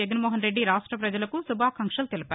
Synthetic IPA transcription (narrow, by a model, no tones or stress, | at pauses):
ɐɡɐnmɔːɦɐnɾe̞ɖːiɾaːʂʈɾɐpɾɐd͡ʒɐlɐkusubʱaːkɐŋkʂɐlt̪elipaː